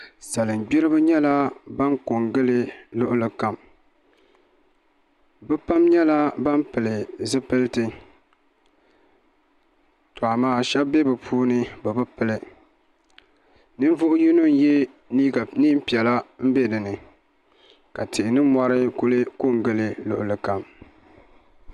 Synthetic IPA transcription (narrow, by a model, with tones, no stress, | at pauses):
sa˨lɨ˨m˨ɡ͡bi˦ɾɨ˦bɨ˦ɲɛ˦la˦ba˦ŋko˨ŋɡɨ˦lɨ˦lʊ˦ʔʊ˦lɨ˦ka˨m | bɨ˦pa˦mɲɛ˦la˦ba˦mpɨ˨lɨ˨zɨ˦pɨ˦ltɨ˦ | tʊ˨a˨maː˨˦ʃɛ˦bbːe˦bɨ˨pʰuː˦nɨ˦bɨ˨bɨ˦pɨ˨lɨ˨ | nɨ˦n˦vʊ˦ʔʊ˦ji˦nu˦n˦jɛ˦ | i˦ɡa˨niː˦m̩˦pi˨ɛ˨la˦m̩˦be˦dɨ˨nɨ˨ | ka˨tʰɨ˨ʔɪ˨nɨ˦mɔ˦ɾɨ˦kʊ˦lɨ˦ko˦ŋɡɨ˦lɨ˦lʊ˨ʔʊ˨lɨ˨ka˨m